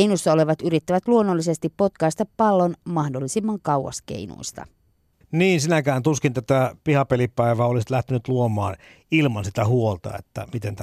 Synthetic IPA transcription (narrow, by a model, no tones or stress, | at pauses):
einusːɑo̞le̞ʋɑt̪yɾit̪ːæʋæt̪luonːolːise̞st̪ipːo̞t̪kɑist̪ɑppɑlːo̞nmɑhdolːisimːɑŋkɑwwɑ̰skḛjnṵist̪ɑ̰ | niːnsinækæːnt̪uskint̪æt̪æpihɑpelipæˑiʋæːolisit̪læht̪enyt̪luomˑɑ̰ːn | ilmɑnsit̪æhuolt̪ɑ̰ḛt̪ːæ̰mit̪ent̪æ